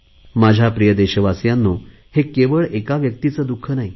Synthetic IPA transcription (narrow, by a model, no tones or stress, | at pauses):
mad͡ʑʱapɾijəd̪eɕəʋasjanːo | hekeʋəɭekaʋjək̚t̪it͡səd̪ukʰːənaɦi